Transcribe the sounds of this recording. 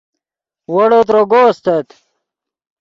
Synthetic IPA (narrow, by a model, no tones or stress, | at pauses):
wɐɽot̪̬ɾoɡoːst̪et̪